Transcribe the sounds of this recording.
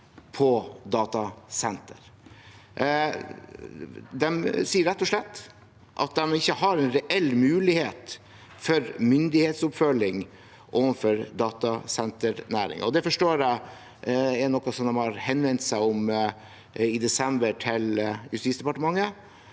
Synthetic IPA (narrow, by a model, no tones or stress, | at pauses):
pʰɔd̪ɑːt̪ɑsɛnt̪əɾ | d̪ɛmsiːəɾɛt̪ːɔʂlɛt̪ː | ʔɑ̰t̪̚d̪ɛmɪçːəhɑɾɛnɾɛʔɛlːmʉːlɪheːt̪ | fɔɾmʏnd̪ɪheːt̪sʊpfœlɪŋ | ʔoːʋənfɔɾd̪ɑːt̪ɑsɛnt̪əɾnæːɾɪ̰ŋ̰ɔd̪ɛfɔʂʈoːɾæɪ | ɛnɔkːɑsɔmd̪ɛmhɑɾhɛnʋɛnt̪sæɪʊm | ɪd̪ɛsɛmbəʈʰɪljʉst̪iːtsd̪ɛpɑʈəmɑŋːə